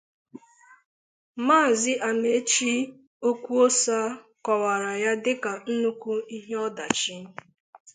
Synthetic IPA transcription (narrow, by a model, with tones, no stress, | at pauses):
maː˦˨zɪ˦ʔa˨me˨˦t͡ʃi˦ | o˦kʷu˦o˦sa˦ | kɔ˨wa˨ɾa˨ja˦dɪ˦ka˨n̩˦nu˦kʷu˦i˦ɦe˦ɔ˦da˨t͡ʃi˦